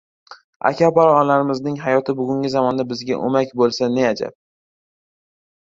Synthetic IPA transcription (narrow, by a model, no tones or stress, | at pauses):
a̰kʲʰapaɾɒnlaɾɪmɪznɪŋɦajɒt̪ʰɪbʊɡʲʊŋɡʲɪzamɒnd̪abɪzɡʲaʔo̰makʲbolˠsanead͡ʒa̰p̚